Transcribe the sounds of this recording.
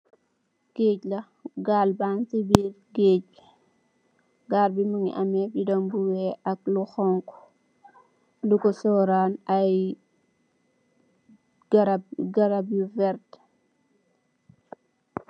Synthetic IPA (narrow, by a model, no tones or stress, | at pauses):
ɡ̥eːclɐ | ɡalbansibiːɾɡeːc̚ | ɡaːɾbimuŋḭʔɐmɛbidɔŋbuwɛːʔɐk̚luxɔŋk | lukɔsɔɾanaj | ɡɾaɡɐɾabuvɛɾt